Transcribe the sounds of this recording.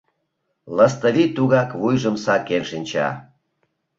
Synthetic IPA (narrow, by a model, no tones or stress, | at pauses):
ləst̪əβit̪uɣɑkβujʒəmsɑkːenʃinʲt͡ɕɑ̰